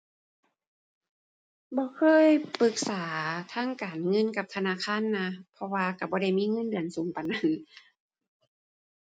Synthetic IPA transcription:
bɔː˧˦kʰɤː˧˥˨jpɯ˧k̚saː˨˩˦t̪ʰaː˧˥˨ŋkaː˨˩nŋɤ˧˥˨nka˧˦p̚t̪ʰa˧naː˧˥˨kʰaː˧˥˨nːa˧˥pʰɔ˧waː˧ka˧˩bɔː˧˦ɾa˧˩jmiː˧˥˨ŋɤ˧˥˨ndɯ˨˩ənsuː˨˦ŋpa˨˩na˧˥˨n

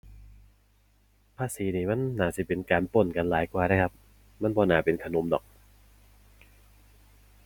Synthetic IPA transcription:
pʰaː˧˥siː˨˦niː˧˩ma˧˥˨nːaː˨˩si˧˦˩pe˧nkaː˧npo˧˩nka˧nlaː˨˦jkwaː˧na˧˥˩kʰa˦˥p̚ | ma˧˥˨nbɔː˧naː˨˩pe˧nkʰa˧no˧˦mdɔ̰ː˨˩k̚

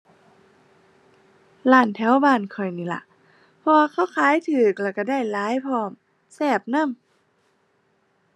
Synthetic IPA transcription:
laː˧˩nt̪ʰɛː˨˦˥wbaː˧˩nkʰɔ˨˩jniː˧˩la̰˧˨ʔ | pʰɔ˧waː˧kʰa˧˥˩wkʰaː˧˦˨jt̪ʰɯː˨˩k̚lɛ˧˩wka˧˩da˧˩jlaː˨˥jpʰɔː˧˩m | sɛː˧˩p̚na˧˥˨m

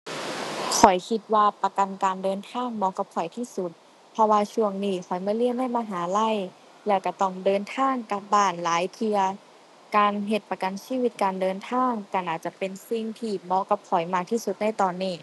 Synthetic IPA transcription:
kʰɔ˨˩˦jkʰi˧t̪̚waː˧pa˧ka˧nkaː˧ndɤː˧nt̪ʰaː˧˥˩ŋmɔː˧ka˧˦p̚kʰɔ˨˩˦jt̪ʰiː˧˥˩su˧˦t̪̚ | pʰɔ˧waː˧t͡ɕʰu˧˩əŋniː˧˩xʰɔ˨˩˦jmaː˧˥˨li˧˩əmda˥˩˨maː˧˩ɦaː˨˦la˧˥˩j | lɛː˧˩wka˧˩t̪ɔ˧˩ŋdɤː˧nt̪ʰaː˧˥˩ŋka˧˩p̚baː˧˩nlaː˨˦jt̪ʰɯ˧ɐ | kaː˧nɦe˧˩t̪̚pa˧ka˧nsiː˧˥˨wi˧t̪̚kaː˧ndɤː˧nt̪ʰaː˧˥˩ŋka˧˩ʔaː˨˩t͡ɕa˧˦pe˧nsi˧˩ŋt̪ʰiː˧˩mɔː˧˥˦ka˧˦p̚kʰɔ˨˩˦jmaː˧˩k̚t̪ʰiː˧˥˩su˧˦t̪̚na˧˥˨jt̪ɔː˧nːiː˧˩

